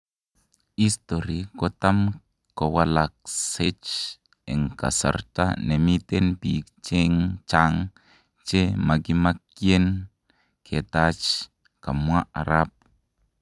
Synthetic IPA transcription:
ist̪oɾikot̪a˦m | ko˨wa˨lak̚set͡ʃ | e˨ŋka̰˨sa̰ɾta̰˦ne˨mi˦t̪enpikt͡ʃe˦ŋt͡ʃaŋ | t͡ʃe˦ma˨ɡi˦ma˦kje˦n | kʰe˨t̪at͡ʃ | ka˨mwa˦ʔa̰˨ɾap̚

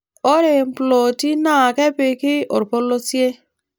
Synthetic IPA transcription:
o˦ɾe˨m˦plo˨ti˦na˦˨ke˦pe˨ki˦o̰˨ɾpo˦lːo˦si˦e˦

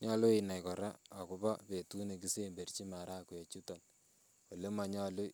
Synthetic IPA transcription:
ɲɔ˦lʊ˦e˨na˨jkɔ˨ɾa˦a˨ku˦ba˦pe˨tu˦ne˨k̬i˦se˦mbe˨rt͡ʃi˦ma˨ɾʔa˦˨ku˨e˨t͡ʃu˦tɔ˨n | wo˨le˦ma˨ɲɔ˦lʊ˦

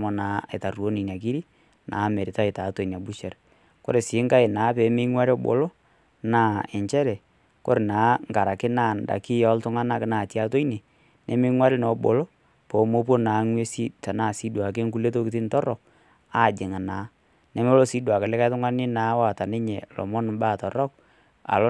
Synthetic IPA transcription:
mɔ˨na˨˦ḛ˨ta˨ru˨o˦ni˨n˨a˨k̬i˦ɾi˦ | nʔaː˨˦me˨ɾɪ˨ta˦e˨ta˨˦to˨i˨n˨a˨bu˦ʃɛ˨ɾ | ko̰˦ɾe˨sɪː˨˦ŋka˦ɪ˨naː˨˦pɛ˨˦mɪ˦ŋwa˦ɾɔ˦bo̰˨lo˦ | naː˦ɛ˨ɲt͡ʃɛ˦ɾɛ˨ | ko̰˦ɾe˨naː˨˦ŋka˨ɾa˨kɪ˦naː˦˨nda̰˨kɪ˦jɔ˦ltʊ˦ŋa˦na˦knaː˨tja˦to˦i˦ne˨ | nʔɛ˦mɪ˦ŋwa˦ɾɪ˦nɔ˨bo̰˨lo˦ | po˨˦mo˦p̬wo˦naː˨˦ŋwe˦si˦ta˨naː˦˨si˦dwa˨k̬e˦ŋku˦le˦t̬o˦kɪ˦ti˦ntɔ˦rɔ˨k̚ | a˦˨d͡ʒɪ˨ŋa˨naː˨˦ | nɛ˦me˦lo˦si˦dwa˨ke˨lɪ˦ka˦tʊ˦ŋa˦nɪ˦naː˨˦wa˨ta˨nɪ˦ɲe˨lɔ̰˨mɔ˦n˨mba˦˨tɔ˨rɔ˦k̚ | a̰˨lo˦

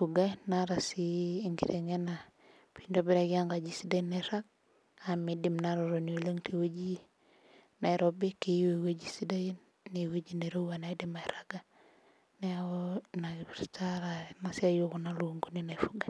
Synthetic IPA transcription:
fu˨ɡa˦naɾa˨siːŋɡḭɾʔeŋe˦na˨ | piɲdobi˦ɾa˨ɡi˦a˦ŋɡa˨d͡ʒisi˦da˦neɾa˦k̚ | amidimnaɾɔ˨ɾo˨ni˨o˨le˦ŋtʰewe˦d͡ʒi˦ | na˨iɾɔbi˦ki˦wewe˦d͡ʒi˦si˦da˦ji˦nː | e˨we˦d͡ʒine˨ɾo˦wana˨i˦dima˨iɾaɡa˦ | nɛaonataɾanasɪ˦a˦joko˨na˦luoŋɡo˦nina˨ifuɡa˨

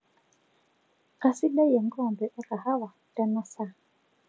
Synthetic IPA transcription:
ka˨si˦ɗa˦ja˨ŋ˦ɡɔ˦˨mbɛ˨ʔa˦ka˨ha˦wa˨ | da˦na˦sa˦˨

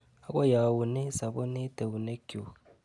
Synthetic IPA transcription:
a˦kʷo˦ja˨wu˨ne˦sa˨bo˦ne˦te˨wu˨ne˦ko˨

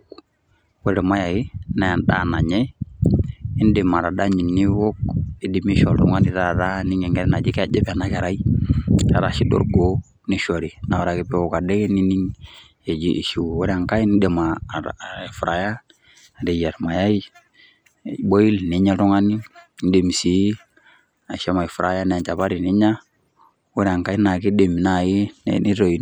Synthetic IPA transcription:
wɛ˦ɾɛ˨ma˦ja˨ji˦na˨nda̰˦na˨ɲɛ˦ | ɪ˦n˦de˨ma˨ɾa˨da˦ɲi˨nːi˦wo˦ki˦di˨mi˦ʃɔ˨ɾṵ˨˦ŋa˦ni˦ɾa˦˨ta˦ni˦ŋɛ˨ŋɡɛ˦ɾɛ˦na˨d͡ʒi˦ka˨d͡ʒɛ˦ba˨na˨ka˨ɾa˦i˦ | a˨ɾa˨ʃi˦do̰˦ɾɡo˨˦ | ni˦ʃo˨ɾi˨na˨wa˨ɾa˨ki˨pɛ˦˨wo˦˨ka˨de˦ɡɛ˦ni˦ni˦ŋ | e˨d͡ʒi˦ʔʃi˦˨wo˦ɾɛ˦a˨ŋka˦i˦ni˦de˨ma˨fɾa˨ja˦˨ | dɛ˨ja˨ɾma˨ja˦i˦ | bo˦ji˦lni˨˦ɲa˦tɔ˦ŋa˦ni˦n˦de˨mi˨si˨˦ | a˨ʃɛ˦ma˨i˨fu˨ɾa˨ja˦nɛ˨t͡ʃa˨βa˦ɾi˨ni˦ɲa˦ | wo˦ɾɛ˦a˨ŋka˦i˦na˨ki˦de˨mi˨na˨ji˦n̰ni˦ɾo˨i˨

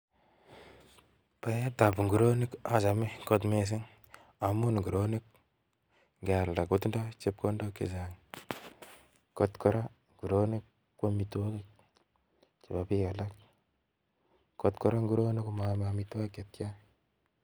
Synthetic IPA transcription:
pa˦je˦t̪a˨pu˨ŋɡu˨ɾo˦ni˦ka˨sa˨me˦ko˦t̪me˦s̬ɪ˦ŋ | a˨mu˦nŋɡu˨ɾo˦ni˦k̚ | ŋɡa˨ɾda˨ku˦tndo˦t͡ʃe˦p̚ko˦ndo˦kḛ˨za˨ŋ | kɔ˦t̪kɔ˦ɾa˦ | ŋɡu˨ɾo˦ni˦k | ko˦mi˨two˦ke˦k | t͡ʃe˨ba˨pi˦ka˨la˦k | ko˨t̪kɔ˦ɾa˦ŋɡu˦ɾo˦ni˦kma˨ma˨mita˦ke˨t̪̚ka˦

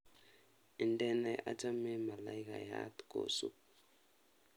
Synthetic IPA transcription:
ɛ˨ndɛ˦na˨ʔa˦d͡ʒa˦mɛ˦ma˨la˨jka̰˨ja̰˦t̪ko̰˨sṵ˦

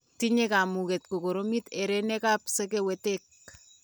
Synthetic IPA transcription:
ti˦ɲeka˨mu˨ke˨t̚ko˨ko˨ɾo˦mite˨ɾene˦kaːpse˦k̬ewetek̚

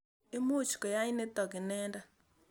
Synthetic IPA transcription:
e˦mo˦˨t͡ʃi̥˨kɔ˨ja˦i˦ne˦tɔ˨kɪ˨nɛː˦nda˦

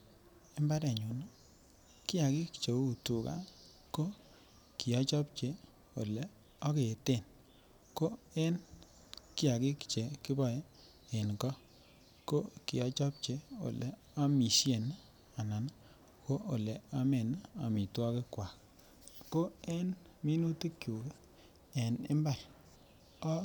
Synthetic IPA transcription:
e˦mba˦de˨ɲu˨n˦ | kɪ˦a˨ki˦kt͡ʃe˨u˨tu˨ka̰˨ | ko˦ | ki˨ɔ˦t͡ʃɔ˦p̚t͡ʃe˦ | o̰˨le˨ | o˦ke˨te˦˨n | ko˦ | e˦n | ki˦a˨ki˦kt͡ʃe˨ki˦bɔ˨je˦ | e˨nkɔ˦ | ko˦ki˨ɔ˨t͡ʃɔ˦p̚t͡ʃe˦o̰˨le˨ | a˦mi˨ʃje˨na˦ | a˨na˨na˦ | ko˦ʔo˨le˨a˦me˨na˦a˨mi˨twɔ˦ke˦kwa˨k | ko˦e˦nmi˦nu˦te˦kju˨ke˦ | e˨nḛ˦mba˨ɾ | ɔ˦

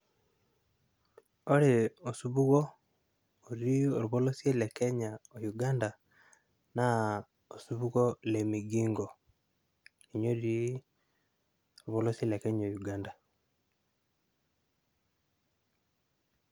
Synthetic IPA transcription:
o˦ɾeo˨suβu˦ɣo˦ | o˨ɾii˦o˨ɾuβo˦lo˦sie˦le˨kɛ˦ɲao˨juɡa˦nda˨ | na | osu˦βu˦ɣo˦le˨miɡi˦ŋɡo˨ | i˨ɲo˦ɾiɾi˦ | oɾuβo˦lo˦si˦e˦lekɛɲao˨juɡaːnda˨

